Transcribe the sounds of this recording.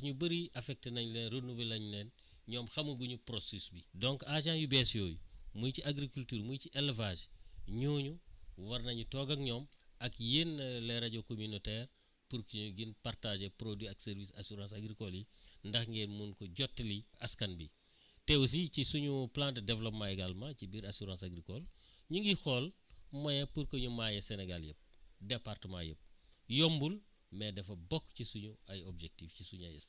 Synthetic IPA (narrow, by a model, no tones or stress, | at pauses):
ɲubəɾiʔɐfɛk̚tenɐɲulɛnɾonubilɐɲunɛn | ɲɔːmxɐmuɡuɲupɾosisbidɔŋkaʒãːjubɛsjoːjṵmujciaɡɾikultyːɾmujciʔɛlvaːʒɲuːɲuwɐrnɐɲutɔːɡɐkɲɔːmɐkjeːnlɛɾɐɟɔkominotɛːr | puɾkiɲuɡinpartaʒepɾodwiɐksɛɾvisa̰suɾãːsaɡɾikɔlindɐxŋɡɛnmunkɔɟɔtːliɐskɐnbi | tewus̬icisuɲuplãːntdɛvlɔpmajɡalmɐcibiɾasuɾãːsaɡɾikɔlɲuŋɡixɔlmɐjɐpuɾkɐɲumajɛsɛnɛɡaljəp̚dɛpartəma̰jə̰p̚jɔmbul | mɛdɛfɐbɔkːcisuɲuɐjobd͡ʒɛk̚tifcisuɲajɛ̰s